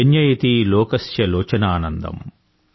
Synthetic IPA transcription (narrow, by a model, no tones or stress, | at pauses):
enjɐjit̪ilɔːkɐsjɐlɔːt͡ʃɐnaːnɐnd̪ɐ̰m